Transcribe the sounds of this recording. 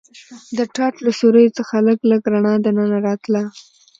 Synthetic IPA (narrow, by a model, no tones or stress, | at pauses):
d̪əʈɑʈlasoɾəjot͡səxaləɡləɡɾaɳɑd̪ənənaɾɑt̪la